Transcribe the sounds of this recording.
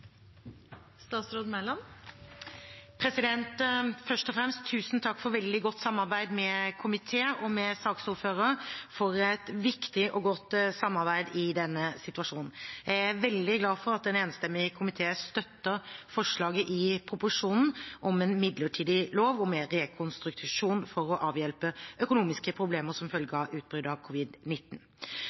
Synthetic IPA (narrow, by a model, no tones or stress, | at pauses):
st̪ɑːt̪sɾoːd̪mɛlɑn | pʰɾɛsɪd̪ɛnt̪fœʂʈɔfɾɛmst̪ʰːʉːsn̩t̪ʰɑkːfɔɾʋɛld̪ɪɡɔt̪ːsɑmːɑɾbæɪd̪mɛkʰʊmɪt̪ʰeːəʔɔmɛsɑːksʊɾføːɾəfɔɾɛt̪ʋɪkt̪ɪʔɔɡɔt̪ːsɑmːɑɾbæɪd̪ɪd̪ɛnːəsɪt̪ʉʋɑʂuːnn̩jæɪæɾʋɛld̪ɪɡlɑːfɔɾɑt̪d̪ɛneːnst̪ɛmːɪkʰʊmɪt̪ʰeːəst̪œt̪ːəɾfɔʂɭɑːɡəʔɪpʰɾʊpʊʂuːnn̩ʔɔmɛːnmɪd̪ləʈʰiːd̪ɪloːʋɔmeɾɛkʰʊnst̪ɾʉkt̪ʰɪʂuːnfɔɾɔʔɑːʋjɛlpəœkʊnuːmɪskəpʰɾʊbleːməɾsɔmfœlɡəɑʉːt̪̚bɾʏd̪ɑʋkʰʊʋɪd̪nɪt̪ːn̩